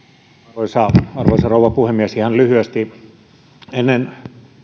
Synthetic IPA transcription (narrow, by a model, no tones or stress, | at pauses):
oisɑɑrʋoisɑroˑuʋˑɑpuhemiæsihɑnlyhyæst̪i | enːen